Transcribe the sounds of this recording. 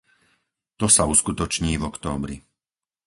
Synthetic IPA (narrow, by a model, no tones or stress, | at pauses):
t̪ɔsauskut̪ɔt͡ʃɲiːvɔkt̪ɔ̰ːbɾḭ